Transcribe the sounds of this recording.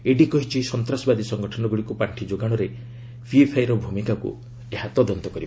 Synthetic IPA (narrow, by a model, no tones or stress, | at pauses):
eɖikɔɦit͡ʃʰisɔnt̪ɾasɔbad̪isɔŋɡɔʈʰɔnɔɡuɽikupaɳʈʰid͡ʒoɡaɽ̃ɔɾe | pʰiepʰajɾɔbʱumikakṵ | eɦat̪ɔd̪ɔnt̪ɔkɔɾiba